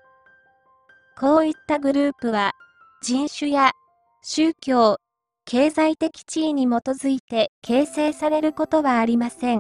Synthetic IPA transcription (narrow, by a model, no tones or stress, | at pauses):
ko̞ːit̪ːaɡɯ̟ɾɯ̟ːpɯ̟βa | d͡ʑĩɰ̃ɕɨja | ɕɨːkʲo̞ː | kʰe̞ːzait̪e̞kʲi̥t͡ɕiːɲ̟imo̞t̪o̞zɨit̪e̞kʰe̞ːse̞ːsaɾe̞ɾɯ̟ko̞t̪o̞βaːɾʲimasẽ̞ŋ